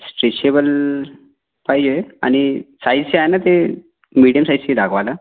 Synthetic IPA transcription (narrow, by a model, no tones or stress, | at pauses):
sʈɾeɕebəl | pajd͡ʑea̰ñisajd͡zt͡ɕeajnat̪e | miɽijəmsajd͡ʑsed̪akʰʋala